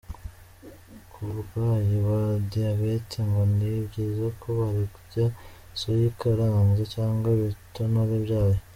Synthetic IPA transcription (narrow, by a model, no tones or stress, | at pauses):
kʰuβɡaːjiβadiaβeteŋɡonibɟiːzakʰoβaɾikuɾɟa | sojikaɾaːnzecaːŋɡwaβitonoɾebɟaːje